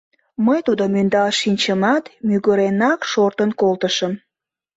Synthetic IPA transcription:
məjt̪ud̪omynd̪ɑlʃinʲt͡ɕəmɑt̪myɣəɾenɑkʃort̪ənkolt̪əʃəm

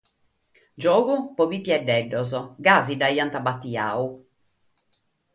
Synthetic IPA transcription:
d͡ʒɔːɡupɔbipjɛɖːɛɖːɔzɔɡaːzid̪ajant̪abat̪ːia̰ːu

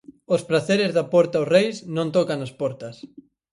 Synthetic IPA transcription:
ospɾaθeɾɪzðɐpɔɾt̪aorejsnõnt̪ɔkanɐspɔɾt̪ɐs

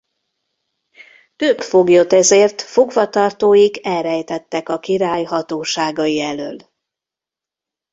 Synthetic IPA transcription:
t̪øpfo̞ɡjo̞t̪ɛzeːrt̪fo̞ɡvɒt̪ɒrt̪oːjiɡɛlrɛjt̪ɛt̪ːɛkɒkiɾaːjɦɒt̪oːʃaːɡɒjiɛløːl

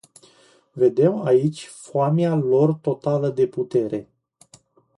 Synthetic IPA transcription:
ve̞d̪e̞mait͡ʃʲfoamialo̞rt̪o̞t̪aləd̪e̞put̪e̞ɾe̞

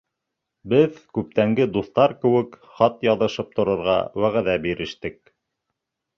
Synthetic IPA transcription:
bɘðkʉp̚t̪æŋɡɘd̪uθt̪ɑɾkɘ̆wɘkχɑt̪jɑðɤ̆ʃɤp̚t̪ŏɾɤ̆ɾʁɑ̰wæʁæðæbiɾɘ̆ʃt̪ɘk̚

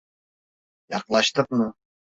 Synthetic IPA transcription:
jɑqlˠɑʃt̪ɯqmʊ

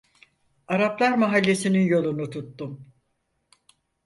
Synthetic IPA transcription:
aɾaplˠaɾmaɦalʲːe̞sininjo̞lˠunut̪ʰut̪ːum

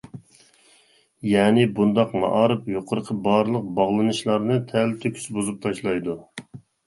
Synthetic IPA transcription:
jɛːnɪbund̪ɑqmɑ̰ʔɑːɾɨpjoqʰəɾəqʰəbɑːɾɨlˠəq̚bɑʁlˠɨnɨʃlˠɑɾnɨt̪ʰælt̪ʰøkʲʰy̥sbuzup̚t̪ʰɑʃlˠɑjd̪u

